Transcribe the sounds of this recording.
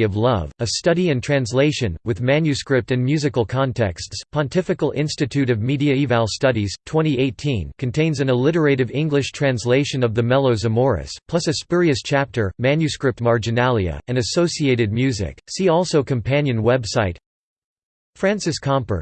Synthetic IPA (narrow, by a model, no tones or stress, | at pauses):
ʌvlʌ̰vɨstʌɾiɨ̃ntʰɹ̥æ̃nsleɪʃɨ̃nwɨðmæ̃njʉskɹɪp̚tɨ̃nmjʉzɨkl̩ˠkʰɑ̃ntʰɛ̰kstspʰɑ̃ntʰɪfɨkl̩ˠɪ̃nstɨtʰʉɾʌvmiɾiɨivælˠstʌɾiz̥tʰw̥ɛ̃ɾ̃ieɪtʰĩnkʰɨ̃ntʰẽɪ̃nzɨ̃nəlɪɾə˞eɪɾɨvɪ̃ŋɡlɨʃtʰɹ̥æ̃nsleɪʃɨ̃nʌvðɨmɛlˠoʊzɨmɔɹɨ̰spʰl̥ʌsɨspɪɹiɨst͡ʃʰæp̚tʰə˞mæ̃njʉskɹɪp̚t̚mɑɹd͡ʒɨnælˠiɨ̰ɨ̃nɨsoʊsieɪɾɨd̚mjʉzɪ̰ksiɔlˠsoʊkʰɨ̃mpʰæ̃njɨ̃nwɛbsaɪt̚ | fɹæ̃nsɨskʰɑ̃mpə̰˞